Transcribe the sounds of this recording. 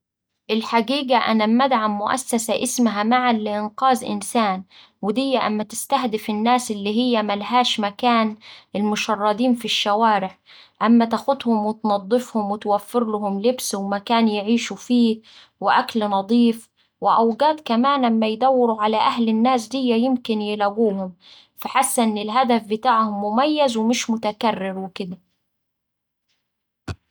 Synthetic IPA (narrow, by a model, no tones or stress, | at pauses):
ʔɪlħaɡiːɡaʔa̰namad̪ʕamːʊʔa̰sːasaʔɪsmaɦamaʕanlɪʔɪnqɑːzʔɪ̰nsaːn | wɪd̪ɪjːaʔa̰mːat̪ɪst̪ahd̪ɪfɪnːaːsʔɪlːiːɦɪjːæmalɦaːʃmakaːnɪlmʊʃɑrˤːɑd̪iːnfiʃːawaːɾɪʕ | ʔamːæt̪axʊd̪hʊmwɪt̪nɑd̪ˤːɨfhʊmwɪt̪wafːɪɾlʊɦʊmlɪbswmakaːnjɪʕiːʃufiː | wɪʔaklnɑd̪ˤiːf | wɪʔawɡaːd̪kamaːnʔamːajd̪awːɪɾuʕalaʔahlɪnːaːs̬d̪ɪjːajɪmkɪnjɪlaɡuːhʊm | faħasːaʔɪnːɪlɦad̪afbɪt̪aːʕhʊmːʊmajːazwɪmɪʃmʊt̪akarːɪɾwɪkɪd̪a